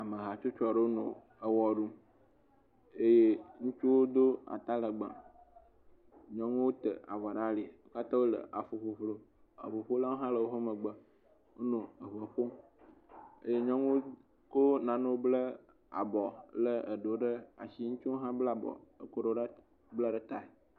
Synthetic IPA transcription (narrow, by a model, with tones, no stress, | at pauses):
a˨mə˨ɦa˨t͡ʃo˦t͡ʃɔ˨ɖə˦wo˦nõ̰˨ | ə˨wɔ˨ɖu˦ | e˦je˦ŋũ˦t͡ʃu˦wo˦d̪o˦a̰˨t̪a˦lə˨ɡ͡bã̰˨ | ɲɔ̃˦ŋũ˦wo˦t̪ə̰˨a̰˨va˨ɖa˦li˨˦ka˦t̪ã˦wo˦lə̰˨ʔa˨fo˨ɸo˨ɸlo˦ | ə̰˨ɸo˨ɸo˦la˦wo˦ɦã˦lə˨wo˦ɦo˦mə˨ɡ͡bə˨ | wo˦nõ˨ə˨βə˨ɸo˦ | ḛ˦je˦ɲɔ̃˦ŋũ˦ | ko˦nã˨nõ˦blə˦ | a̰˨bɔ˨lə˦ə˨ɖo˨ɖə˦a̰˨ʃi˦ŋũ˦t͡ʃu˦ɦã˦bla˨bɔ̰˨ə˨ko˦ɖo˦ɖə˦ | bla˦ɖə˦t̪a˨e˨